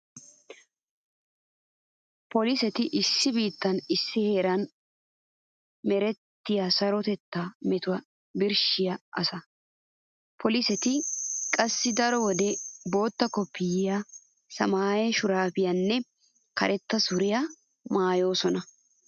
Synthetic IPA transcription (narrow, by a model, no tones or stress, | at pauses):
pɔlɪsɛt̪ɪʔɪsːɪbiːt̪ːɐnɪsːɪhe̞ːɾɐn | mɛɾɛt̪ːɪjasɐɾɔt̪ɛt̪ːaːmɛt̪ʊwɐ | bɪɾʃɪjɐʔɐsɐ | pʰɔlɪsɛt̪ɪkʼɐsːɪd̪ɐɾɔwɔd̪ɛbo̞ːt̪ːɐkɔpːɪjɪjɐ | sɐmaːjɛʃʊɾaːfɪjɐnːɛ | kɐ̰ɾʔɛt̪ːɐsʊɾɪjɐ | maːjo̞ːsɔnɐ